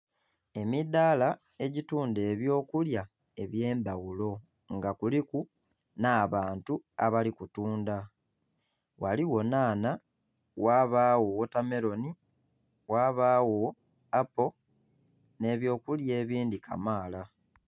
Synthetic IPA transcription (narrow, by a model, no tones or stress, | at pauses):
e̞midaːla | e̞ɟituːnde̞ːβjo̞ːkulja | e̞βje̞ːmbawulo̞ | ŋɡakuliku | naːβaːntua̰βalikutuːnda | waliwo̞naːna | waːβaːwowotame̞ɾo̞ni | waːβaːwo | apo̞ | ne̞ːβjo̞ːkulje̞ːβiːndikʰa̰maːla